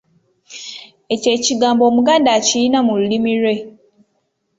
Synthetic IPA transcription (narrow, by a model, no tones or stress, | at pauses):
e̞ce̞ːciɡaːmbo̞ːmuɡaːndaːcijinamululimiɾwe̞